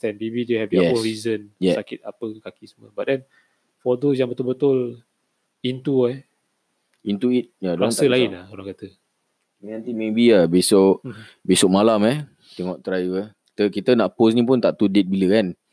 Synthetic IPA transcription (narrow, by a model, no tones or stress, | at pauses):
t̪ɛ̃nbebiduhɛvjɛɛõnɾizənjɛakɪt̪apəkakisəmuəbaʔ̚dɛn | fɔd̪os̬jãŋbət̪ʊlbət̪ʊl | int̪uɛ | int̪uit̪̚jadoaŋsaəlainaoɾaŋkat̪ə | nãnt̪imẽbiabesɔʔ | besɔk̚malamɛh | t̪ɛŋɔʔt̪ɾajvəkit̪əkit̪ənaʔpos̬nĩp̬ʊnt̪aʔt̪udet̪̚biləkan